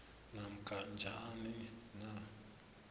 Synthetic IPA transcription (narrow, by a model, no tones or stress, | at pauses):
nam̩kand͡ʒa̰anina